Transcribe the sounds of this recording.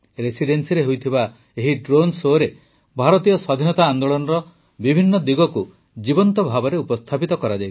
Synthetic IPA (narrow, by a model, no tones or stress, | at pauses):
ɾesiɖensiɾeɦujt̪ʰiba | eɦiɖɾonsoɾe | bʱaɾɔt̪ijɔsɔd̪ʱinɔt̪aːnd̪oɭɔnɔɾɔ | bibʱinːɔd̪iɡɔku | d͡ʒibɔnt̪ɔbʱabɔɾeupɔst̪ʰapit̪ɔkɔɾad͡ʒaj̪